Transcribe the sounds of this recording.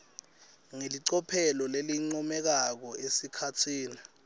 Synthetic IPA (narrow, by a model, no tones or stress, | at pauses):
ŋeliǀɔpʰɛlɔleliŋ͡ǀɔmɛk̬ak̬ɔesikʰatʰiːni